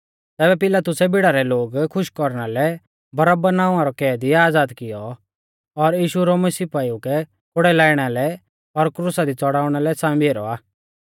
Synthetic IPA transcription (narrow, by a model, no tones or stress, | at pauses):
t̪ɛːbɛpɪlaːt̪ʊsɛbɪɽaɾɛloːɡkʰʊʃkɔɾɽ̃alɛ | bɐɾəbənaːʊ̃ãɾɔkɛːd̪iaːd͡zaːd̪kɪjɔ | ɔɾjiːʃuɾɔmɐsiːpaːiukɛ | kʰʊɽɛlaːɪɽ̃alɛ | ɔɾkɾusad̪it͡sɔɽaːʊɽ̃alɛsãːĩbʱeːɾɔ̰aː